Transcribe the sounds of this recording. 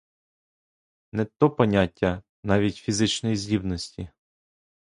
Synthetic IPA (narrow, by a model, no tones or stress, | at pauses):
nɛt̪ɔpɔnʲatʲːɐ | nɑʋʲitʲfʲizɪt͡ʃnɔjizʲdʲibnɔsʲtʲi